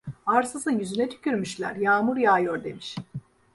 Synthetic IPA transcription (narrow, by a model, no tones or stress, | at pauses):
aɾsɯzɯnjyzynɛt̪ʰy̥cʲyɾmyʃlʲæ̰ɾjaːmuɾjaːjoɾd̪e̞miʃ